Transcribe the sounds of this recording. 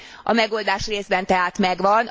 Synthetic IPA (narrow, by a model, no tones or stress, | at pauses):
ɒ̰mɛɡoːld̪aːʃreːzbɛnt̪ɛɦaːt̪mɛɡʋɒn